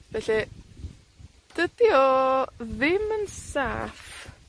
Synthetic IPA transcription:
vɛɬi | d̥ədjɔðɪmənsa̰ːf

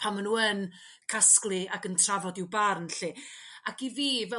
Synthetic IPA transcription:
pʰamənuːən | kʰasklˠɨaɡəntʰravɔdɪwbarnɬiakiviːvɛ

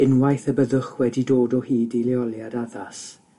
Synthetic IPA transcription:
ɪnwajθəbəðʊχwɛdidoːdɔhiːdiljɔlˠjadaðas

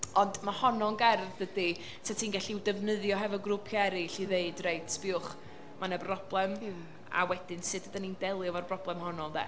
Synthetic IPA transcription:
ɔndmahɔnɔnɡɛrðdədi | tʰatʰiːnɡɛɬiwdɛvnəðjɔɦɛvɔɡrʊpʰjɛɾiɬiðeɨdreɨtʰb̥ɪʊχ | manɛbrɔb̥lˠɛm | a̰wɛd̥ɪnsɨdədanindɛlˠɨvarbrɔblˠɛmhɔnɔðɛ̰

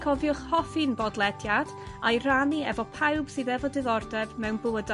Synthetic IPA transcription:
kʰɔvjʊχhɔfinbɔdlˠɛdjad̥ | ajraniɛ̰vɔpʰawb̥sɨðɛvɔdɪðɔrdɛvmɛwnbʊəd

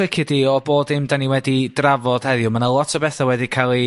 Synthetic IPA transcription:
ɪkʰɪdiɔboːdɪmdaniwɛdid̥ravɔd̥hɛðjʊmanalˠɔtʰɔbɛθawɛdikʰalˠi

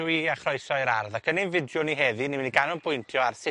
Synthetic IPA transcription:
wiaχrɔɨsɔɾa̰rðakʰənɪnvɪdjʊniɦɛðinimniɡanʊnpʰʊjntʰjɔarsɪ

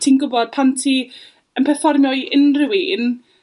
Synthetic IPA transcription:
tʰiːnɡʊbɔd̥̚pʰantʰiː | ənpʰɛrfɔrmjɔjənrɪwin

